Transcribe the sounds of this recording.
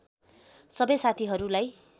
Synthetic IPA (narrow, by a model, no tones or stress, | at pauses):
sʌbʌjsat̪ʰiɦʌɾulaj